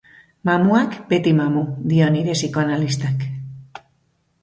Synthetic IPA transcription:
mamuakbe̞t̪imamud̪io̞niɾesikoanalist̪ak

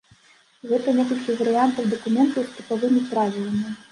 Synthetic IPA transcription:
ɣɛt̪ɐnʲɛkɐlʲkʲivɐɾɨjant̪ɐwd̪ɐkumʲɛnt̪ɐwst̪ɨpavɨmʲipɾavʲilˠɐmʲi

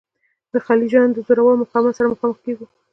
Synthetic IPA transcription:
d̪əxɑlid͡ʒɑnd̪əzoɾawəloməxɑmasaɾaməxɑməxkeɡu

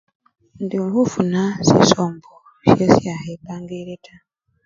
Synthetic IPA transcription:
ndihufunasḭsoːmbo | ʃesjahebaːŋɡeɾetʰa

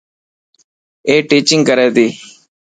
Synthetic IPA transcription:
eːʈiːt͡ʃɪ̃ŋɡkəɾɛːd̪iː

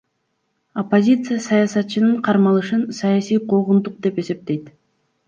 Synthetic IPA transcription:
opːo̞zʲit̪sɨjasɑjɑsɑt̪̚t͡ʃɯnɯɴqʰɑɾmɑlˠɯʃɯnsɑjɑsijqʰoʁund̪uq̚d̪e̞pe̞se̞p̚t̪e̞jt̪

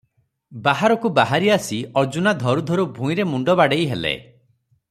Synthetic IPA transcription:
baɦaɾɔkubaɦaɾiasiɔɾd͡ʒunad̪ʱɔɾud̪ʱɔɾubʱũĩɾemuɳɖɔbaɽejɦelḛ

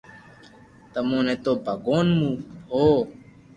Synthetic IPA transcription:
t̪əmõːnẽːt̪oːbʱəɡoːnmũːɦoː

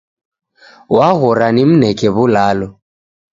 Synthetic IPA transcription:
waɣɔɾanɪm̩nɛkʼɛβʊlaːlɔ

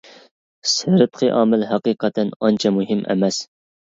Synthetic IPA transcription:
sɨɾɨt̪qʰɨʔɑːmɪlɦɑqiqʰɑt̪ʰɛnɑnt͡ʃʰɛmuɦɪmʔɛ̰mɛs

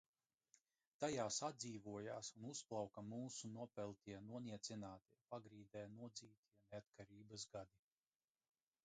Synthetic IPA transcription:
t̪ajaːsad̪ziːvuɔjaːsunusplˠawkamuːsunuɔpɛlˠt̪iɛnuɔniɛt̪sinaːt̪iɛpaɡɾiːd̪ɛːnuɔd̪ziːt̪ʲʰiɛneat̪̚kʰaɾiːbasɡad̪i

